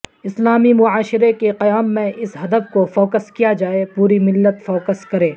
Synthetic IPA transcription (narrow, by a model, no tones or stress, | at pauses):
ɪslaːmimʊaːʃɪɾekeqɐjaːmːẽʔɪsɦɐd̪əbkofɔːkəskijad͡ʒaːepuːɾimɪlːət̪fɔːkəskɐɾẽː